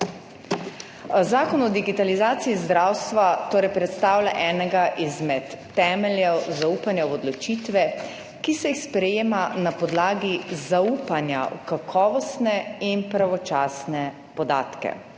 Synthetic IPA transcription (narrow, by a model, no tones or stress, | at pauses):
zaːkɔnɔd̪iɡit̪alizaːt̪siizd̪ɾawst̪ʋat̪oːɾɛjpɾɛt̪st̪aːwlʲaʔɛːnɛɡaʔizmɛt̪ːɛːmɛljɛwzauːpanjɛwɔd̪lɔt͡ʃiːt̪ʋɛ | kisɛixspɾɛjeːmanapɔd̪laːɡizauːpanja̰wkakʰɔːʋɔst̪nɛinpɾaʋɔt͡ʃaːsnɛ | pɔd̪a̰ːt̪kɛ̰